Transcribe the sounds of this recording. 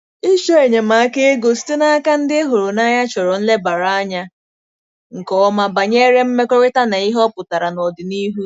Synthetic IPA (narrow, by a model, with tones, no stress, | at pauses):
i˦ʃo˦e˨ɲe˨ma˨a˦ke˦ɡo˨si̥˦te˦na˦ka˦n̩˦dɪ˦e˦ɦo˨ɾu˨na˦ɲa˦t͡ʃɔ˨ɾɔ˨n̩˦le˦ba˨ɾa˨a˦ɲa˦ | ŋ̩˨kɔ˦ma˦ba˨ɲe˦ɾe˦m̩˦me˦kɔ˦wɪ˦ta˦na˨i˦ɦɔ˦pʊ˨ta˨ɾa˨nɔ˨dɪ˨ni˦ɦu˦